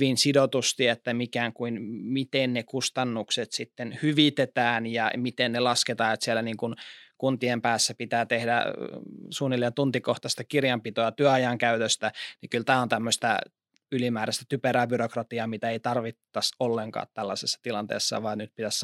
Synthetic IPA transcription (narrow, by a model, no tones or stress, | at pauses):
ʋinsidot̪ust̪iet̪ːæmikæːŋkuinmit̪ennekust̪ɑnːukset̪sit̪ːenhyʋit̪et̪æːnjɑmit̪ennelɑsket̪ɑːet̪siælæniːŋkunkunt̪iempæːsːæpit̪æːt̪ehdæ̰ | suːnilːent̪unt̪ikoht̪ɑst̪ɑkirjɑmpit̪oɑt̪yæɑjɑŋkæyt̪øst̪ænikylt̪æːont̪æmːøst̪æ̰ | ylimæːɾæst̪æ̥t̪ypeɾæːbyrokrɑt̪iɑmit̪æeit̪ɑrʋit̪ːɑsolːeŋkɑ̰ːt̪t̪ælːɑsesːɑ̥t̪ilɑnt̪ḛːsːɑ̰ʋɑːnyt̪pit̪æs